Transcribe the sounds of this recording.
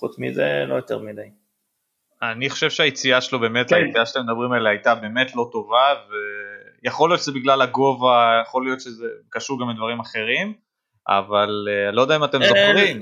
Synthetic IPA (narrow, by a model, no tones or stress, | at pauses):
χut͡smḭzḛlojot̪eʁmidaj | aniχoʃev̥ʃeajet͡siaʃelobe̞metajet͡siaʃat̪emedabʁimaleajtabe̞ːme̞tlo̞to̞vavejaχolijo̞tʃezebiɡlalaɡo̞vajaχo̞lijo̞t̪ʃezekaʃuʁɡamid̪vaʁimaχe̞ʁim | ʔa̰valealod̪aimate̞mzoχʁim